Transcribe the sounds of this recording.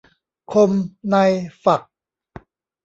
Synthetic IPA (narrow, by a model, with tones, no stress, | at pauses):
kʰo˧mna˧jfa˨˩k̚